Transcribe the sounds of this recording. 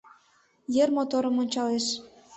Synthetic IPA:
jermot̪oɾə̆monʲt͡ɕɑleʃ

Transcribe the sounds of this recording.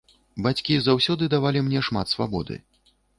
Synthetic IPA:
bat͡sʲkʲizawsʲɔd̪ɨd̪avalʲimnʲɛʂmat̪sva̰bɔ̰d̪ɨ̰

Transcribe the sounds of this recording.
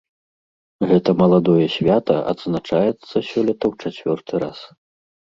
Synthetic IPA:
ɣɛt̪ɐmɐlˠad̪ɔjɛsʲvʲat̪ɐʔɐ̰d̪znat͡ʂajɛt̪sːɐsʲɔlʲɐt̪ɐwt͡ʂat͡sʲvʲɔrt̪ʰɨɾas

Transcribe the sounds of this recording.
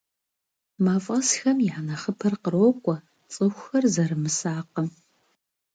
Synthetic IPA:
maːfʼɐsxɐmjɪʕanɐχəpʰɐrqəɾoːkʷʼɔ | t͡sʼɨxʷxɐrzɐɾɨmɨsaːqəm

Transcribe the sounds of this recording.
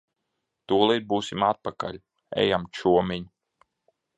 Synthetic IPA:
t̪uːlˠid̪̚buːsʲimat̪̚paka̰lʲ | ɛ̰jamt͡ʃuɔmʲiɲ

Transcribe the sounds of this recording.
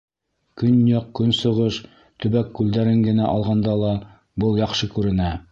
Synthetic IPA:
kɵnjɑq̚kɵnsŏʁɤʃ | t̪ɵ̆βækːʉld̪æɾɘŋɡɘ̆næʔɑlˠʁɑnd̪ɑlˠɑ | bɤlˠjɑqʃɤkʉɾɘ̆næ

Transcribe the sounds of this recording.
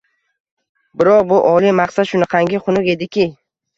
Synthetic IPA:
bɪɾɒqbʊʔɒlˠimɑqsat̪ʃʊnɪqʰɑŋɡʲɪχʰʊnʊke̞d̪ɪkʲʰɪ

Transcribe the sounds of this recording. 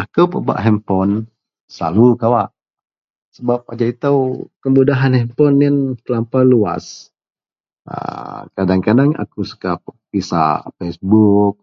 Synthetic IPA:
akəwpəba̰ʔɦɛmpɔn | səla̰lukawaʔ | səbap̚ad͡ʒait̪awkəmbudaɦanhɛmpɔnːankəlampalua̰s | ə̰kadaŋkadaŋa̰kusu̥kappisa̰pɛsbuk̚

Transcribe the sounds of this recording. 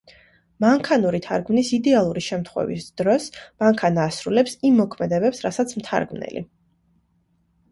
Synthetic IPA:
maŋkʰanuɾit̪ʰa̰ɾɡmnisid̪ɛalˠuɾiʃɛmt̪ʰχwɛ̰vḭsd̪̥ɾɔsmaŋkʰanaːsɾulɛpsimːɔkʰmɛd̪ɛbɛpsɾasat̪sʰmt̪ʰa̰ɾɡmnɛ̰lḭ

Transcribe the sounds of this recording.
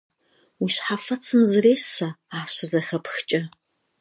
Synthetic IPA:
wiɕħafɐt͡sʰɨmzɨreːsɐaːɕɪzɐxɐpxt͡ʃʼɐ

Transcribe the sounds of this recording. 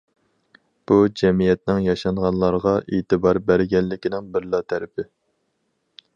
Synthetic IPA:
b̥ud͡ʒɛmijɛt̪nɪŋjɑʃɑɴʁɑnlˠɑɾʁɑʔeːt̪ɨbɑɾbæɾɡʲɛnːɪkʲinɪŋbɪɾlˠɑt̪ʰæɾɪpʰɪ

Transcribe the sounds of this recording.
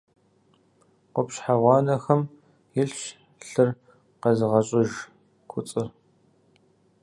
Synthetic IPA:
qʷɔpɕħaʁʷɑːnɐxɐm | jɪɬʃ | ɬɨr | qɐzɨʁɐɕʼɪʒ | kʷʰʊt͡sʼɨr

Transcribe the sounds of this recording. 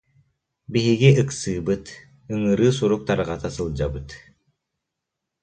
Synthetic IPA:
biɦiɡiʔɯksɯːbɯt̪ | ɯŋɯɾɯːsuɾuk̚t̪aɾʁɑt̪asɯlˠd͡ʑabɯt̪

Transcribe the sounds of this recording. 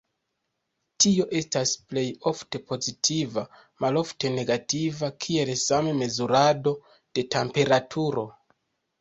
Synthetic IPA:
tio̞ʔe̞stasple̞jo̞fte̞po̞zitʰiva | malo̞fte̞ne̞ɡativakʰie̞lsameme̞zuɾado̞ | d̥e̞tempe̞ɾatʰuɾo̞

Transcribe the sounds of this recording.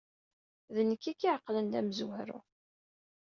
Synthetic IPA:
ðənəkːikːiʕqːlənd̪æməzwhɾʊ̰

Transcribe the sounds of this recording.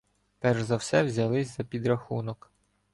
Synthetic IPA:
pɛrʒzɐwsɛwzʲɐlˠɪsʲzɐpʲid̪ɾɐxunɔk

